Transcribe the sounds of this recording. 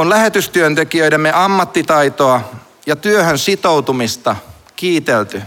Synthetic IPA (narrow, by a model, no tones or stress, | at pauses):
olæhet̪yst̪yønt̪ekiøiɾemːeʔɑmːɑt̪ːit̪ɑit̪oɑ | jɑt̪yøhønsit̪out̪umist̪ɑ | kiːt̪elt̪y